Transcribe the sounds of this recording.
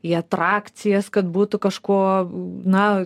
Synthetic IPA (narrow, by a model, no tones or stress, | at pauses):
iɐt̪ɾɑːk̪t͡s̪ʲɪjɛskɐt̪buːt̪ʊkɐʃkoːnɐ